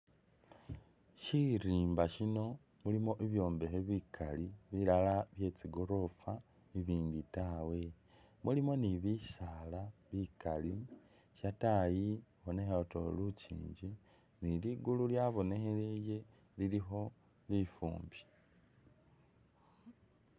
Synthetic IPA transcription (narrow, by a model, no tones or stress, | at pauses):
ʃiɾiːmbaʃino̞ | mulimo̞ʔiβjo̞ːmbexeβikʰaliβilalaβje̞t͡siɡo̞ɾo̞fa | iβiːnditawe̞ | mulimo̞niβisalaβikali | ʃatajiβo̞ne̞xeoto̰lut͡ʃḭːɲɟi | niliɡululjaβo̞ne̞xeleje̞ | lilixo̞ | lifṵːmbi̥